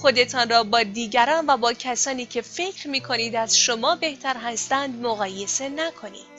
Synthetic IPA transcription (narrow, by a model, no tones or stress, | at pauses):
xo̞d̪e̞t̪ʰɒːnrɒːbɒːd̪iːɟæɾɒːnvæbɒːcʰæsɒːniːcʰe̞fe̞cʰɾmiːkʰo̞niːd̪æzʃomɒːbe̞ht̪ʰæɾɦæst̪ænd̪moɣɒːje̞se̞nækʰo̞nḭːd̥